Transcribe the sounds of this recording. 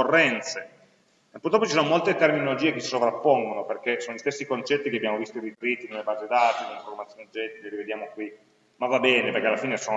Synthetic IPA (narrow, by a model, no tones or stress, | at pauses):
orːɛnt̪se | pːurt̪ɾɔpːot͡ʃisonomolt̪et̪erminolod͡ʒiːekesi̥sovɾapːoŋɡonoperkesoːnolʎist̪esːikont͡ʃɛt̪ːikeabjaːmovist̪oiɾit̪ɾit̪ːinelːebaːzed̪aːt̪ineliɱformat̪sjoːnd͡ʒɛt̪ːileɾived̪jaːmokwi | mavːabɛːnepeɾrkealːafiːneson